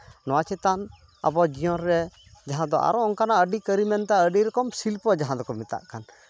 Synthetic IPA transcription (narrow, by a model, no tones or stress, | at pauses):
nɔwat͡ʃɛt̪an | a̰bɔd͡ʒijɔɾɾɛ | d͡ʒaɦãd̪ɔʔa̰ɾɔɔŋkanaəɖikəɾimɛnt̪aəɖiɾɔkɔmsilpɔd͡ʒaɦãd̪ɔkɔmit̪a̰ʔkan